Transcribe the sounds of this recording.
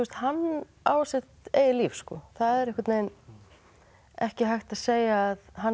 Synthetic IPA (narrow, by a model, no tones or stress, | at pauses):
ust̪hanː | aːwsɪht̪eːjɪliːfskɔ̰θaðɛɾɛhkaɾt̪neːjn | ɛhcɪɦajxt̪aðseːjaːðha